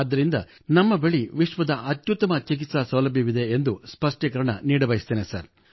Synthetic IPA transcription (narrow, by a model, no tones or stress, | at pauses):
ad̪ːɐɾind̪ɐ | nɐmːɐbeɭiʋiʂʋɐd̪ɐʔɐt̪jut̪ːɐmɐt͡ʃik̬it̪sɐsɐwlɐbʱjiʋid̪e̞ːnd̪uspɐʂʈekɐɾɐɳɐ̰niːɽɐbɐjist̪eːnesɐ̰ɾ